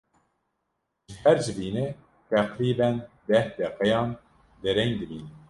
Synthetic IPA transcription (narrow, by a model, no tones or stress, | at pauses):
ʒɨhæɾd͡ʒɨbiːnɛ | t̪ʰɛqɾiːbɛnd̪ɛhd̪ɛqɛjɑːn | d̪ɛɾɛŋd̪ɨbiːnɛ